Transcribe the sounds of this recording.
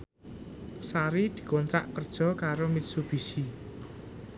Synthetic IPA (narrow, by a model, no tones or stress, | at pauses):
saɾid̪̥i̤kɔnt̪ɾa̰ʔkərd̥ʒ̥ɔ̤kaɾomit̪̚sub̥i̤si